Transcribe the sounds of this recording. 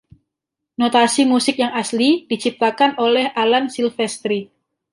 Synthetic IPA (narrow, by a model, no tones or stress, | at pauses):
not̪asimusɪk̚jaŋaslidit͡ʃip̚t̪akanolɛhʔalansilfɛst̪ɾi